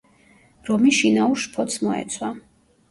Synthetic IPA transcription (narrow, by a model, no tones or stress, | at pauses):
ɾɔmiʃinauɾʃpʰɔt̪smɔɛ̰t̪sʰwa